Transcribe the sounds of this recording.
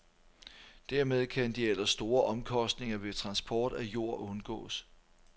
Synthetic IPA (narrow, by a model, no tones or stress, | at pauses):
d̥æɐmeð̞ˠkʰænd̥ielɐsːd̥o̝ːɐʔɒ̽mkʰɒ̽sd̥ne̝ŋɐʋe̝t͡sʰʁɑ̈nsb̥ʰɒːd̥æjo̝ɐ̰ʔɔ̽nɡ̥ɔ̰̽ːs